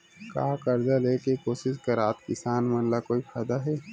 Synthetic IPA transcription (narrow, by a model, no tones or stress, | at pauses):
ka̰ːkɐɾd̪aleːkekoːsɪʃkɐɾaːt̪kɪsaːnmɐnlakoːipʰaːd̪aɦɛː